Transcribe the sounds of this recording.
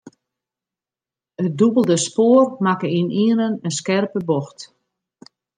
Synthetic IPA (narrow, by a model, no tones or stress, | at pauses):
ət̚dubəlˠdəspoːrmakəiniənənənskɛrpəbɔxt